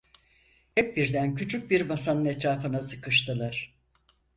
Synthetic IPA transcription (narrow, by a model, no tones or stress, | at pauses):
hɛp̚biɾd̪æncʰyt͡ʃʰyc̚biɾbasanɯnɛt̪ɾaːfɯnasɯkɯʃt̪ɯlˠaɾ̥